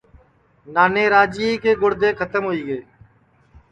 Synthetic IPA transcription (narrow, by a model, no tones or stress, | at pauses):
naːneːɾaːd͡ʒiiːkeːɡʊɽd̪eːkʰət̪əmɦoːiːɡeː